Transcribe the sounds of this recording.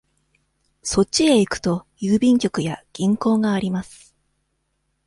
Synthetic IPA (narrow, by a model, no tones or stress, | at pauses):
so̞t͡ɕie̞ikɯ̟̥t̪o̞jɯːbʲĩŋkʲo̞kɯ̟jaɡ̥ʲĩŋko̞ːɡaːɾʲimasɨ̥